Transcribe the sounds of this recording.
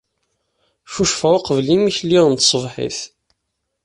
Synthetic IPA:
ʃuʃfæwqəvlimiçlːiʁənt̪sˤəvħḭθ

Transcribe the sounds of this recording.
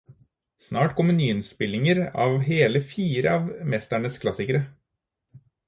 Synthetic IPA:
snɑːʈkʰɔmːənyːɪnspɪlɪŋəɾɑ̰ːʋɦeːləfiːɾə̰ɑːʋmɛst̪æɳəskʰlɑsɪkəɾə

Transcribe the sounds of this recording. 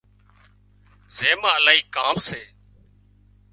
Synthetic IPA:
zeːmaːəlaːɦiːkaːmseː

